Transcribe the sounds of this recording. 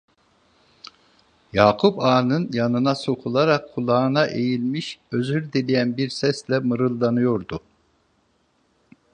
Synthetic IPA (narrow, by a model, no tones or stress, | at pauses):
jaːkʰupaːnɯnjanɯnaso̞kʰulˠaɾakʰːulˠaɯnaʔejilʲmiʃøzyɾd̪ilʲijænbiɾsɛslʲɛmɯɾɯlˠːanɯjo̞ɾd̪u